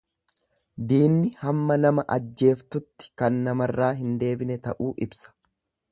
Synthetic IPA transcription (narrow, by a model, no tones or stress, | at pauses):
d̪iːnːɪhɐmːɐnɐmɐʔɐd͡ʒːe̞ːft̪ʊt̪ːɪ̥kɐnːɐmɐrːaːɦɪnd̪e̞ːbɪnɛt̪ɐ̰ʔuːʔɪbsɐ̥